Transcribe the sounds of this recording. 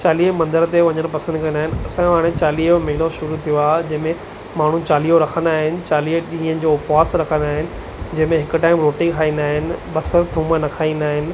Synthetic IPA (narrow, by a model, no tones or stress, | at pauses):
t͡ɕaːliːɦmɐ̃nd̪əɾt̪eʋɐ̃ɲəɽ̃pɐsə̃nd̪kɐ̃nd̪aːɦɪnɪ̆ɐsãʋaːɽ̃et͡ɕaːliːmɪɦɪloʃʊɾut̪ʰijoaːd͡ʑɐ̃ɦɪ̃mẽ | maːɳ̤ũt͡ɕaːliːɦoɾɐkʰə̃nd̪aːɦɪnɪ̆t͡ɕaːliːɗĩːɦə̃nɪ̆d͡ʑopaːsɾɐkʰə̃nd̪aːɦɪnɪ̆ | d͡ʑɐ̃ɦɪ̃mẽɦɪkʊ̆ʈaːɪmɾoːʈɪ̃kʰaːĩːnd̪aːɦɪnɪ̆ɓɐsəɾt̪ʰũːmənɐkʰaːĩnd̪aːɦɪnɪ̆